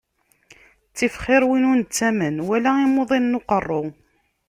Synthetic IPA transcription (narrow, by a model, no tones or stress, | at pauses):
t͡sːifχɪɾwinunt͡sːæmənwælæimoðˤinnːoqərˤːo